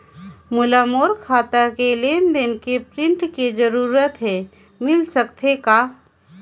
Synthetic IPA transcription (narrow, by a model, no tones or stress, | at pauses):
mʊlamoːɾkʰaːt̪akeleːnd̪enkepɾɪ̃ɳʈkid͡ʒəɾuːɾət̪ɦe | mɪlsəkt̪ʰekaː